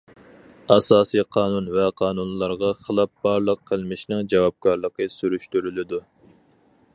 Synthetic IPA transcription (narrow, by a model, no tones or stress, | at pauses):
ɑsɑːsijqʰɑːnunvɛqʰɑːnunlˠɑɾʁɑχəlˠɑp̚bɑɾlˠəqʰːəlˠmɪʃnɪŋd͡ʒɑwɑp̚kʰɑɾlˠəqəsyɾyʃt̪yɾylɪd̪u